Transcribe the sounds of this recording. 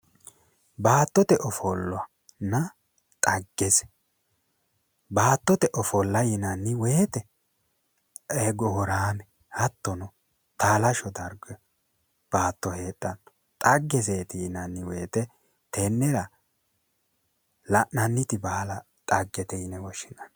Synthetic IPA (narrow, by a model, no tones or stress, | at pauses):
baːt̪ːɔt̪ɛʔɔfɔlːɔɐ | nːɐ | t̪ʼɐɡːɛsɛ̥ | baːt̪ːɔt̪ɛʔɔfɔlːɐjɪnɐnːɪweːt̪ɛ | ɛɡɔhɔɾaːmɛ | hɐt̪ːɔnɔ | t̪aːlɐʃɔd̪ɐɾɡɔ | b̥aːt̪ːɔhe̞ːt̪ʼːɐn | t̪ʼɐɡːɛseːt̪ɪjɪnɐnːɪweːt̪ɛ | t̪enːɛɾɐ | lɐnɐnːɪt̪ɪbaːlɐ | t̪ʼɐɡːɛt̪ɛjɪnɛwɔʃɪnɐn